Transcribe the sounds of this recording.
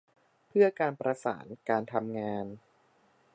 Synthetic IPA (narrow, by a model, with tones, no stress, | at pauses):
pʰɯ˥˩ɐkaː˧npɾa˧sa̰ː˩˦nkaː˧nt̪ʰa˧mŋaː˧n